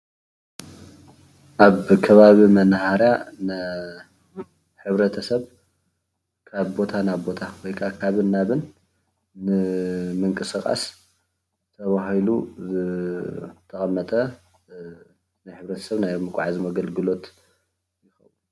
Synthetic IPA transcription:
ʔaβkʰɐβaβimɐnhaɾjana | ħɨβɾɐt̪ʰɐsɐβ | kʰaβbo̞t̪ʰanaβbo̞t̪ʰawojkʰakʰaβɨnːaβɨnː | ɨmɨŋkʼɨsɨkʼa̰s | t̪ʰɐβaɦilṵzɨ | t̪ʰɐχʼɐmːɐt̪ʼɐ | najħɨβɾɐt̪ʰɐ̥sɐβnajmɨkʼʕazimɐɡɐlɡɨlo̞t̪ | jɪxɐ̰u

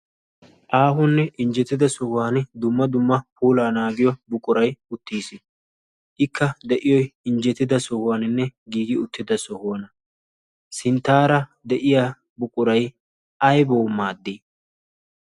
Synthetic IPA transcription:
ʔaːɦʊnːɛʔɪnd͡ʒɛt̪ːɪd̪ɐsɔhʊwaːnd̪ʊmːɐd̪ʊmːɐpuːlaːnaːɡɪjɔbʊkʼʊɾɐjʊt̪ːiːsɪ | ʔɪkːɐd̪ɛʔɪjɔjɪnd͡ʒɛt̪ːɪd̪ɐsɔhʊwaːnɪnːɛɡiːɡɪʊt̪ːɪd̪ɐsɔhʊɔnɐ | sɪnt̪ːaːɾɐd̪ɛʔɪjaː | bʊkʼʊɾɐj | ʔɐjboːmːaːd̪ːiː

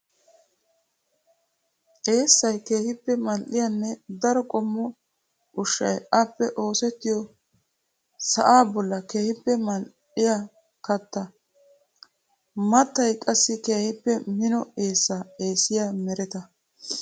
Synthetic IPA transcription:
ʔe̞ːsːɐjke̞ːhɪpːɛmɐlʔɪjanːɛd̪ɐɾɔkʼɔmːɔ | ʊʃːɐ̰jɐpːɛʔo̞ːsɛt̪ːɪjɔ | sɐʔaːbɔlːɐke̞ːhɪpːɛmɐl | ɪja | kɐt̪ːɐ | mɐt̪ːɐjkʼɐsːɪkeːhɪpːɛmɪnɔe̞ːsːaːe̞ːsɪjaːmɛɾɛt̪ɐ

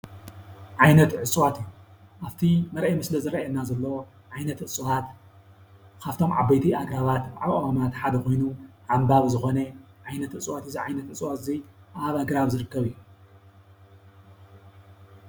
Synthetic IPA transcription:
ʕajnɐt̪ʕɨt͡sʼwat̪ijːu | ʔaβt̪ʰimɐɾʔemɨslɐzɨɾɐjɐnːazɐlːɐwo | ʕajnɐt̪ʔɨt͡sʼwat̪ | kʰaft̪ʰo̞mʕa̰bɐjt̪ʰiʔaɡɾaβat̪ʕa̰wamat̪ħad̪ɐko̞jnuʕambaβzɨxo̞nɐʕajnɐt̪ʔɨt͡sʼwat̪iziʕajnɐt̪ɨt͡sʼwat̪ɨziʔaβaɡɾaβzɨɾɨkːɐβijːu

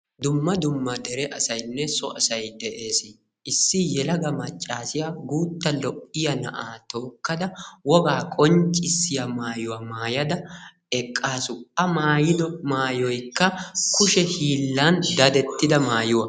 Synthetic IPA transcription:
d̪ʊmːɐd̪ʊmːɐd̪ɛɾɛʔɐsɐjnːɛsɔɐsɐjd̪ɛʔe̞ːs | ɪsːɪjɛlɐɡɐmɐt͡ʃʼːaːsɪjaɡuːt̪ːɐlɔʔʼːɪjɐnɐʔaːt̪o̞ːkːɐd̪ɐwɔɡaːkʼɔnt͡ʃʼɪsːɪjɐmaːjʊwɐmaːjɐd̪ɐ | ɛkʼːaːsʊɐmaːjɪd̪ɔmaːjɔjkːɐkʊʃɛhiːlːɐnd̪ɐd̪ɛt̪ːɪd̪ɐmaːjʊwɐ

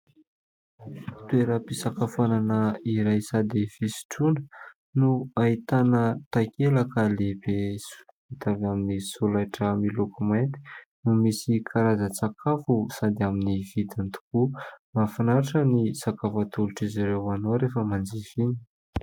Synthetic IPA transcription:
t̪ueɾəpisakafananəiɾajsad̪ifisi̥ʈ͡ʂunə̥ | nuait̪anət̪akelakəleb̥esu̥ | it̪avaminisulajʈ͡ʂəmilokument̪i̥numisikʰaɾazət͡sakʰafusad̪aminivid̪ant̪u̥kumafanaɾaʈ͡ʂənisakafat̪uluʈ͡ʂiziɾewanowɾefəmand͡zivini̥

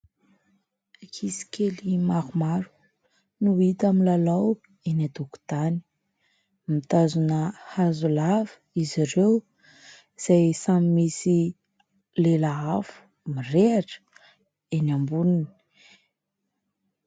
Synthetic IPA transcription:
akʰisi̥kʲelimaɦumaɾu̥ | nuit̪amilalaw | enad̪uku̥d̪̥ani̥ | mit̪azunəhazulavə̥ | iziɾew | iz̥ajsamimisi | lelaafu̥ | mireaʈ͡ʂə̥ | enambunini̥i̥

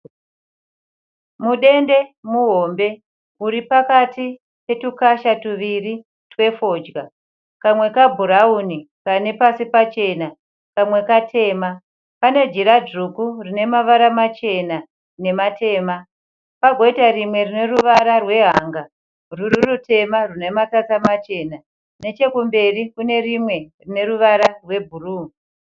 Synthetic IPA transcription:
muɗe̞nde̞muɦoːmbe̞ | uɾipakati | pe̞tukaʃatuʋiri | twe̞fo̞d͡ʒɡa | kamwe̞kabʱuɾauni | kane̞pasipat͡ʃe̞na | kamwe̞katʰe̞ːma | pane̞d͡ʒiɾad͡ʐukurine̞maʋaɾamat͡ʃe̞na | ne̞matʰe̞ːma | paɡʱo̞itarimwe̞rine̞ruʋaɾarwe̞ɦaŋɡa | ruɾirutʰe̞marune̞matatamat͡ʃe̞ːna | ne̞t͡ʃe̞kumbe̞rikune̞rimwe̞rine̞ɾuʋaɾarwe̞bʱuruːi

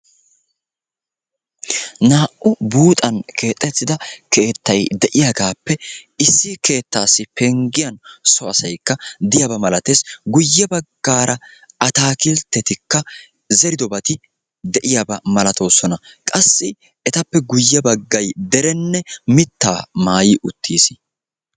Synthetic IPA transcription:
naːʔʔʊbuːt̪ʼɐnkʰe̞ːt̪ʼːɛt͡sːɪd̪ɐkʰe̞ːt̪ːɐjd̪ɛʔɪjaɡaːpːɛɪsːɪke̞ːt̪ːaːsːɪpɛŋɡɪjɐnsɔɐsɐjkːɐd̪ɪjabɐmɐlɐt̪e̞ːsɡʊjːɐbɐɡːaːɾʔɐ | ɐt̪aːkɪlt̪ːɛt̪ɪkːɐ | zɛɾɪd̪ɔbɐt̪ɪ | d̪ɛʔɪjabɐmɐlɐt̪o̞ːsɔnɐkʼɐsːɪ | ɛt̪ɐpːɛɡʊjːɐbɐɡːɐjd̪ɛɾɛnːɛmɪt̪ːaːmaːjɪʔʊt̪ʰːiːsɪ

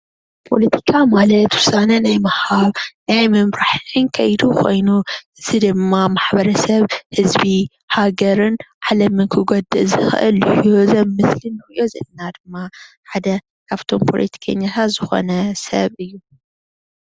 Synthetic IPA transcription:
pʰo̞̰lɐt̪ʰi̥kʰamalɐt̪wʊsanɐnajmɐhaβnajmɨmɾaħɨnkʰɐjd̪ukʰo̞jnuɨzɨd̪ɨmːamaħbɐɾɐsɐβhɨzbi | haɡɐɾɨnʕalɐmɨnkʰɨɡod̪ɨzɨxɨ̰ʔɨlozɐmːɨslɨnːɨxɨʔo̞zɐ̰lnad̪ɨmːa | ħad̪ɐ | kʰaβt̪ʰo̞mpʰo̞̰lʔɐ̰t̪ʰi̥kʰɐ̰ɲːat̪ʰat̪zɨxo̞̰nɐsɐ̰βɨjːu

